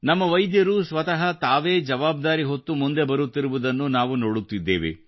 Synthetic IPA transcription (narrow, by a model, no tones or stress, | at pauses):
nɐmːɐʋɐjd̪jɐɾusʋɐt̪ɐɦɐt̪aːʋeːd͡ʒɐʋaːb̚d̪aːɾiɦo̞t̪ːumund̪e̞bɐɾut̪ːiɾuʋud̪ɐnːunaːʋuno̞ːɽut̪ːid̪ːeːʋḛ